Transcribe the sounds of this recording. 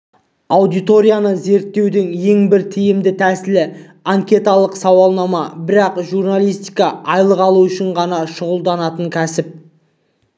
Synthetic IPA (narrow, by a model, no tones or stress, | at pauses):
awd̪ijt̪o̞ɾʲijanəze̞ɾt̪ːe̞wd̪ɪŋje̞ŋbɪɾt̪ʰijɪmd̪ɪt̪ʰæsɪlɪ | aŋkʲe̞t̪alˠəqsɑwɑlˠnɑmɑbɪɾɑqʒuɾnalʲˠijst̪ijkɑɑjlˠəqɑlˠuʏʃɪɴʁɑnɑʃʊʁəlˠd̪ɑnɑt̪əŋkʲʰæsɪp̚